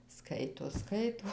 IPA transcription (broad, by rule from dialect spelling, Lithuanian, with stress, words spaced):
ˈskɐɪtoː ˈskɐɪtoː